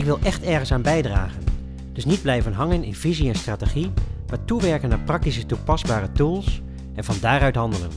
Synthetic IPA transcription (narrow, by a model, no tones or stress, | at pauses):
ɪkʋɪlˠʔɛχtɛɹχənsaːnbɛjdra̰ːχən | d̥ɵsnid̚blɛjvənɦɑŋənɪnv̥iziɛnstraːtəχimaːɹtuʋɛɹkənaːɹprɑk̚tisətupɑzbaːɾətulˠs | ɛnvɑndaːɾœɥtɦɑndələ̰n